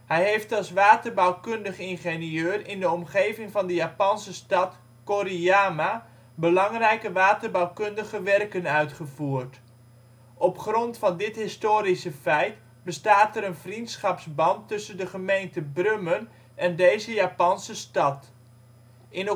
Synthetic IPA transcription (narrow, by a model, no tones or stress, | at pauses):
hɛjɦejftɑlˠsʋaːtərbawkɵndəχɪnχeniøːrɪndəɔmχejvɪŋvɑndəjaːpɑnsəstɑt | koɾiaːma | bəlɑŋrɛjkəʋaːtərbawkɵndəχəʋɛrkənœɥtχəvuːrt | ʔɔpχrɔntfɑndɪtɦɪstoːɾisəfɛjt | bəstaːtəɾənvrintsχɑpsbɑntːɵsəndəχəmejntəbrømən | ɛndejzəjaːpɑnsəstɑt | ʔɪn